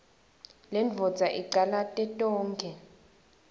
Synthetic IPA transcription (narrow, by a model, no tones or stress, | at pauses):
lɛnvʱɔd̥d͡zʱaʔiǃalatʼɛtʼɔːŋkʰɛ